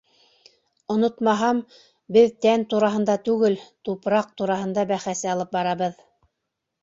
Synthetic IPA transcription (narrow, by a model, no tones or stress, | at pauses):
ŏnot̪mɑɦɑm | bɘðt̪ænt̪uɾɑɦɤ̆nd̪ɑt̪ʉɡɘlt̪upɾɑq̚t̪uɾɑɦɤ̆nd̪ɑbæχæsɘɑlˠɤp̚bɑɾɑβɤð